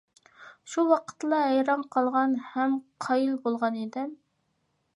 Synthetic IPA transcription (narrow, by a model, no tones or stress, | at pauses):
ʃuwɑqʰə̥t̪lˠɑɦɛjɾɑnqʰɑlˠʁɑnhɛmqʰɑjilˠbolˠʁɑned̪ɪm